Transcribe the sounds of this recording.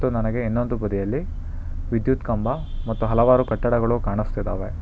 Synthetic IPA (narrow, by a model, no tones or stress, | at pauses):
t̪ːunɐnɐɡe̞inːond̪ubɐd̪ijɐlːi | ʋid̪jut̪kɐmbɐ | mɐt̪ːuɦɐlɐʋaːɾukɐʈːɐɽɐɡɐɭukaːɳist̪id̪a̰ːʋe̞